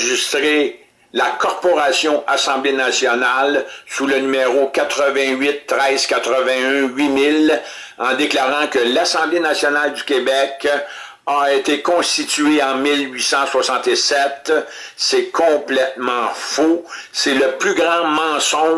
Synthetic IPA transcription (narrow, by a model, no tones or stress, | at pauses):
ʒist̪ʁe | lakɔʁpɔʁasjɔ̃ʔasɑ̃blenasjɔnalsulənymeʁokat̪ʁəvɛ̃ɥɪt̪ːʁɛɪz̥kʲat̪ʁəvɛ̃œ̃ɥimɪl | ɑ̃d̪eklaːʁɑ̃kəlasɑ̃blenasjɔnald̪ykʲebɛk | aet̪ekɔ̃st̪it̪ɥeɑ̃milɥisɑ̃swasɑ̃t̪esɛt̪ | sɛkʰɔ̃plɛt̪̚mɑ̃fo | sɛləplyɡʁɑ̃mɑ̃sɔ̃